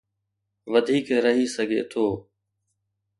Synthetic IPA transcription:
ʋəd̪ʱiːkɾəɦiːsəɡʱḛːt̪ʰoː

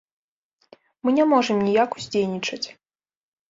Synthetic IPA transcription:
mɨnʲɛmɔʐɨmnʲijakuzʲd͡zʲejnʲit͡ʂɐt͡sʲ

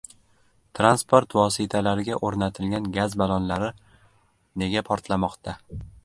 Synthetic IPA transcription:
t̪ʰɾanspʰoɾt̪vɒsɪt̪ʰalaɾɪɡʲaʔoɾnat̪ʰɪlɡʲanɡʲazbalˠɒnlaɾɪ | ne̞ɡʲapʰɒɾt̪ʰlamɒqt̪ʰa

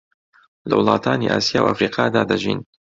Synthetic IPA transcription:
lɐwɨlˠɑːt̪ʰaːniːʔaːsijaːwʔafɾiːqʰɑːd̪aːd̪ɐʒḭːn

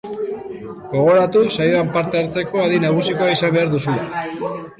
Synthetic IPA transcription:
ɡo̞ɣ̞o̞ɾat̪usajoampaɾt̪eaɾt͡se̞ko̞aðinaɣ̞usiko̞aisambe̞aɾðusula

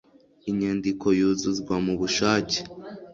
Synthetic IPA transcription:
iɲeːndikʰo̞juːzuzɡwamuβuʃaːce̥

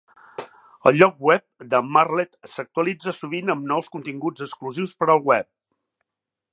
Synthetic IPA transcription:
əlˠʎɔk̚wɛp̚d̪əmarlɛt̪sək̚t̪uəlid͡zəsuβ̞inəmnɔwskunt̪iŋɡud͡zəkskluziwspəɾəlˠwɛp̚

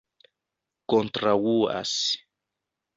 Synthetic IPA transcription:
kont̪ɾawua̰s

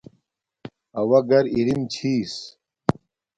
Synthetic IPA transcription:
ɐwɐɡɐɾiɾimt͡ɕʰiːs

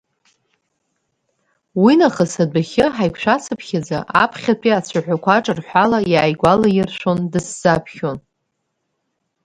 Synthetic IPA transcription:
winaχəsadʷaχʲɪħajkʷʰʃʷᶣasʰɨpʰχʲad͡za̰ʔapʰχʲatʷʰiat͡sʷʰaħʷᶣakʷʰaʈ͡ʂʼɨrħʷalajaːjɡʷalajɪrʃʷo̞ndɨsz̥apʰχʲo̞n

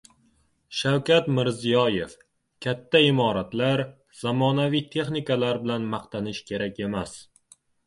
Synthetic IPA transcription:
ʃawkʲat̪mɪɾzijɒje̞f | kʲʰat̪ʰːaɪmɒɾat̪laɾ | z̥amɒnavijt̪ʰe̞χnɪkalaɾbɪlanmaqt̪ʰanɪʃkʲʰe̞ɾakʲe̞mas

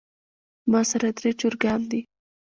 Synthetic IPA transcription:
mɑsaɾad̪ɾet͡ʃoɾɡɑnd̪i

